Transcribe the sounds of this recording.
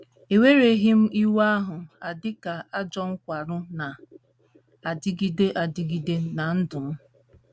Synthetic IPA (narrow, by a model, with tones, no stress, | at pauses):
e˨we˦ɾe˨ɦi˦m̩˦i˦wa˦ɦʊ˨a˨dɪ˦ka˨a˦d͡ʒɔ˦ŋ̩˦kʷa˨ɾʊ˦na˨ | a˨dɪ˦ɡi˦de˦ʔa˨dɪ˦ɡi˦de˦na˨n̩˦dʊ˨m̩˦